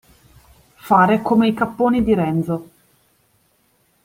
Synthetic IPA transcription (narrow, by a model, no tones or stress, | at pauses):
faːɾekomeikapːoːnid̪iɾɛnd̪zo